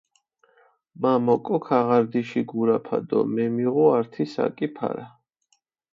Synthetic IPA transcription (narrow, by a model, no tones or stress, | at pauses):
mamɔkʼɔkʰaʁaɾd̪iʃiɡuɾapʰa̰d̪ɔ̰mɛmiʁɔaɾt̪ʰisa̰kʼipʰa̰ɾa